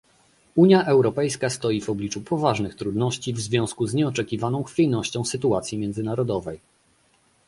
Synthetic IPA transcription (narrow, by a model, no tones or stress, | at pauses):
uɲjaʔɛwɾɔpɛjskast̪ɔjivɔblʲit͡ʂupʰɔvaʐnɘxt̪ɾud̪nɔɕt͡ɕivzvʲjɔ̃w̃skuzɲɛɔt͡ʂɛkʲivanɔ̃w̃xfʲijnɔɕt͡ɕɔ̃w̃sɘt̪̬uat̪sʲjimʲjɛnd̪zɘnaɾɔd̪ɔvɛj